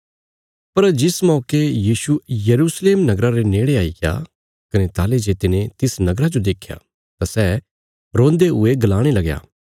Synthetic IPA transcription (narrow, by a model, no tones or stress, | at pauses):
pɐɾd͡ʒɪsmɔːkejiːsujɐɾuːsleːmnɐɡɾaɾeneːɽeaːɪɡa̰ | kɐnet̪aːled͡ʒeːt̪ɪnẽt̪ɪsnɐɡɾad͡ʒod̪eːkʰja̰ː | t̪asɛː | ɾõːnd̪eɦʊeɡɐlaːɽ̃elɐɡja̰ː